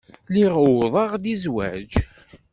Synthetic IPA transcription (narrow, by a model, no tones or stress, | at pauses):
liʁðˤɑʁd̪izwæ̰d͡ʒ